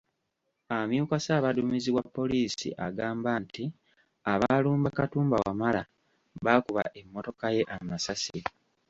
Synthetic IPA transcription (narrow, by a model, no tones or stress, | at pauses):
amjuːkasaːβadumiziβwapːo̞liːsḭʔaɡaːmbanti | aβaluːmbakatuːmbawamala̰ | βaːkuβa̰ʔe̞mːo̞to̞kaje̞ʔamasasi